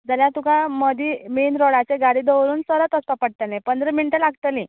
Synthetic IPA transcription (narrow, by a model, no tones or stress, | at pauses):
d͡zaljat̪ukãməd̪ʱimenɾɔɽat͡seɡaɽid̪əʋɾuːnsəɾət̪əst̪əpəɽ̚t̪anepənd̪ɾəminiʈəlaɡt̪əlĩ